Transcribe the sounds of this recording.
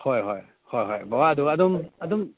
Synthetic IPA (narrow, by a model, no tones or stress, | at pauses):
hɔjɦɔj | hɔjɦɔjbɔwaduadɔmadɔm